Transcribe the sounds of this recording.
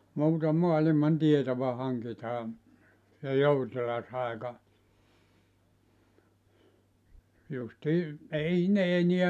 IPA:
muːtɑ moɑlimɑn tietoʋɑ hɑŋkitɑː jɑ joutilɑs ɑˑekɑ justiː ei ne eniæ

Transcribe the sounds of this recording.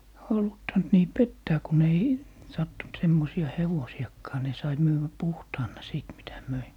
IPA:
hɑlutːɑnt niː petːæː kun ei sɑtːunt semːosiɑ heʋosij̆ɑkːɑː ni sɑi myːʋːæ puhtɑːnˑɑ siˑt mitæ møi

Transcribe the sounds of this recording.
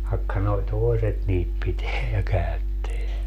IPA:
ʋɑĕkːɑ noi̯ toeset niːt piteæ jɑ kæytːeæ

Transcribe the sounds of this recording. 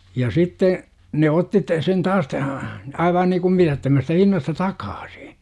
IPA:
jɑ sitːe ne otːi t sen tɑːs tæhæ ɑiʋɑː niːkum mitætːømæstæ hinːɑstɑ tɑkɑ̥ːsi̥

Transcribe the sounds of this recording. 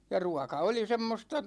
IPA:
jɑ ruɑkɑ oli semːostɑ

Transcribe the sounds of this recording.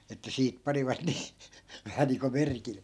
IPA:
etːæ siːt pɑniʋɑt niː ʋæhæ niːŋko merkilːe

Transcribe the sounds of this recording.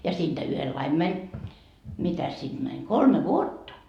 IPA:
jɑ siːnd̥æ yhelːɑim mænʲ mitæs sid̥ mænʲ kolme ʋuotːɑ

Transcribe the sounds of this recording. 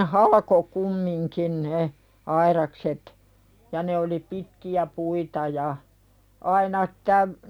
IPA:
hɑlʲɑko kumːiŋkin ne ɑiɾɑkset jɑ ne oli pitkiæ puitɑ jɑ ɑinɑ tæʋ

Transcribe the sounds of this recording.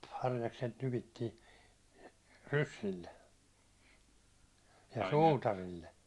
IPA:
hɑrjɑkset nypitːiːn rysːilːe jɑ suːtɑrilːe

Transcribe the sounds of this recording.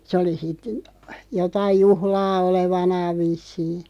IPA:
sĕ oli sit jotɑij̆ juhlɑː oleʋɑnɑːʋ̆ ʋisːiː

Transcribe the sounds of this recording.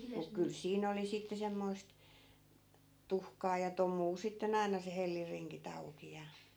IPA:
muk kyl siːn oli sitːe semːoist tuhkɑː jɑ tomˑuː sitːen ɑi̯nɑ se helːirːiŋkit ɑuki jɑ

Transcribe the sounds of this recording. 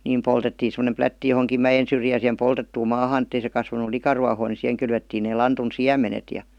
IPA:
niːm poltetːiːn̞ semə̆nem plætːi johoŋkim mæjen syrjæːn̞ sihem poltetːuːm mɑːhɑːn etːei se kɑsʋɑnu likɑruɑhoː ni siheŋ kylʋetːiːn neː lɑntun siæmenet jɑ

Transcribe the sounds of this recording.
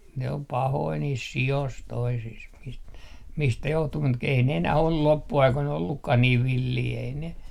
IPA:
ne om pɑhoi niːs sios toisis mist mistæ johtu mut k ei ne enæh ol lopːuɑikoin olːukːɑh niːʋ ʋilːiː ei ne

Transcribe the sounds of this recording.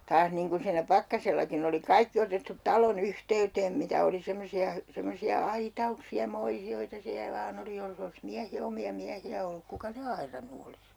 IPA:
tɑːs niːŋ kun siːnæ pɑkːɑselːɑkin oli kɑikːi otetːut tɑlon yhteyteːm mitæ oli semːosiɑ hy semːosiɑ ɑitɑuksiɑ moisioitɑ siæ ʋɑːn oli jolːĕ ols miæh omiɑ miæhiæ olːuk kukɑ ne ɑirɑnːu olis

